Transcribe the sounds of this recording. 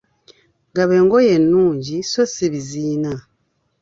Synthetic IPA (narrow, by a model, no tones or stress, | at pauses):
ŋɡaβe̞ːŋɡo̞je̞nːuːɲɟiso̞siβiziːna